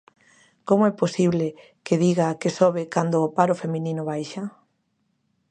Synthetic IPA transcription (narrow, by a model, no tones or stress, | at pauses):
komʊɛposiβlɪ | keðiɣakesoβ̞ɪkand̪ʊːpaɾofemĩnĩnʊβajʃa